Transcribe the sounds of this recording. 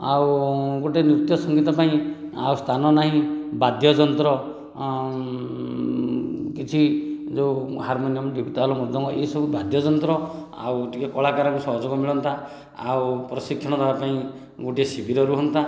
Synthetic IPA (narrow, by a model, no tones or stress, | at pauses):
awɡoʈienɾut̪jɔsɔŋɡit̪ɔpaĩa̰wst̪ʰanɔnaɦĩbad̪ʱjɔd͡ʒɔnt̪ɾɔ | kit͡ʃʰid͡ʒewɦaɾmonijɔmɔɖibʱit̪alɔmɔd̪ʱɔŋkɔʔesɔbubad̪ʱjɔd͡ʒɔnt̪ɾɔ | a̰wʈikekɔɭakaɾɔkusɔɦɔd͡ʒoɡɔmiɭɔnt̪a | a̰wpɾɔsikʰjɔɽ̃ɔd̪ʱabapaĩ | ɡoʈiesibʱiɾɔɾuɦɔnt̪a